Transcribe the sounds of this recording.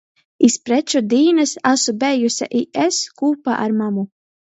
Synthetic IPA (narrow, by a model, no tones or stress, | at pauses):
ispɾɛt͡ʃud̪iːnɨsasubɛjusʲa̰ʔieskuːpa̰ʔa̰ɾmamu